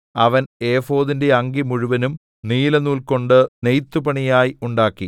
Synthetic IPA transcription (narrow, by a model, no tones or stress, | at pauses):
ɐʋɐne̞ːfo̞ːðinde̞ɐŋɡimuɻuʋɐnum | niːlɐnuːlko̞ɳɖɨne̞jt̪ːubɐɳijaːjiuɳɖaːkːi